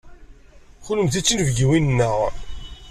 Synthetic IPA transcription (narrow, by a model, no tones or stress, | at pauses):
χʊləmθit͡sːinvɡiwinnːəʁ